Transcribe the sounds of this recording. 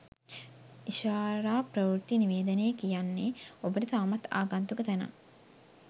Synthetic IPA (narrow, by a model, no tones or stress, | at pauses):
iʃaːɾaːpɾɐʋuɾt̪iniʋeːd̪əneːkijanːeobəʈit̪aːmɐt̪a̰ːɡant̪ukət̪ænɐ̰